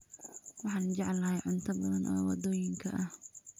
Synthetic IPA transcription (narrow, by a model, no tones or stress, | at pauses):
wɑħɑːnd͡ʒɐʕlɐhɐjʕʊnt̪ʰɐbɐðɐnʔɔ̰ːwɑ̰d̪oːjɪŋkʰɐʔɐh